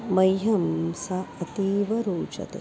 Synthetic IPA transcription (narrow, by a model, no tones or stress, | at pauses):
mɐjɦɐmsɐɐt̪iːʋɐɾuːt͡ʃɐ̰t̪ḛ